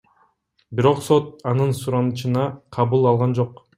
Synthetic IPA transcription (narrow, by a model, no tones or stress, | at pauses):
biɾo̞qso̞t̪̚ɑnɯnsuɾɑnɯt͡ʃɯnɑqʰɑβulˠɑlˠʁɑnd͡ʒo̞q